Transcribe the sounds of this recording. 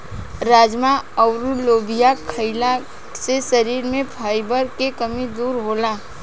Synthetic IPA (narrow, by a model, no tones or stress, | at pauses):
ɾaːd͡ʒmaəʊɾuloːbʱijakʰəɪla | sesəɾiːɾmẽpʰaːɪbəɾkekəmid̪uːɾɦola